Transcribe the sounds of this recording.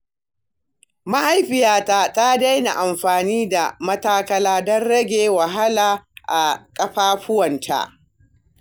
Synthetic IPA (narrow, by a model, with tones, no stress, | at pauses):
ma˦ʔa˦˨jɸɪ˨jaː˦ta˦ta˦da˦jna̰˨ʔa˨mɸaː˨niː˦da˨mɐ˦taː˦kɐ˦laː˦dɔ˦nɽɐ˦ɡʲeː˨wa˨ɦa˦laː˨ʔa̰˨kʼɐ˦ɸaː˦ɸʊ˦wɐ˨ntʰa̰˦˨ʔ